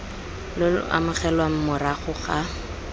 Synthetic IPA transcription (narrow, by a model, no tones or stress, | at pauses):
lʊl̰ʔa̰mʊχɛlwaŋ̩mʊraχʊχa